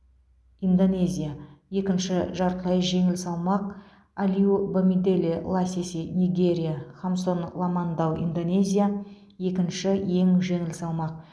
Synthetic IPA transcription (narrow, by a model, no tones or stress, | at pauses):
ind̪o̞nʲe̞zʲijaje̞kʲɪnʃɪʒɑɾt̪lˠɑjʒe̞ŋɪlsɑlˠmɑq̚ | alʲiubomid̪e̞lʲelˠɑsʲesenʲijɡʲe̞ɾʲijaχamso̞nlˠɑmɑnd̪ɑwḭnd̪o̞ne̞zʲija | je̞kʲɪnʃɪje̞ŋʒe̞ŋɪlsɑlˠmɑq̚